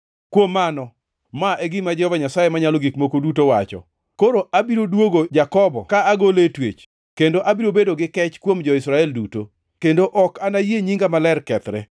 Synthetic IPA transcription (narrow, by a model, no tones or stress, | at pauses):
kwomːanɔ | maʔeɡɪmad͡ʒɛɔvaɲasajemaɲalɔɡikmokodutowat͡ʃɔ̰ | koɾoabiɾodwoɡod͡ʒakɔbɔ̰kaaɡoletwḛt͡ʃ | kendoʔabiɾobedoɡɪkɛt͡ʃkwomd͡ʒɔɪsɾaɛlduto | kendoʔɔkanajeɲiŋɡamalɛrkɛt̪ɾɛ